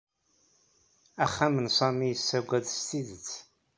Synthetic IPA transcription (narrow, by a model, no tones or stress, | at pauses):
æχːamənsˤɑmijəsːæɡʷæðst̪iðət͡sː